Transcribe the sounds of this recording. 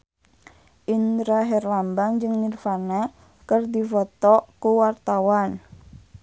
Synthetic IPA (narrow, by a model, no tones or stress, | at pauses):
ʔinɾaɦɛrlambaŋd͡ʒɨŋnirfana | kərdifɔt̪ɔkuwart̪awan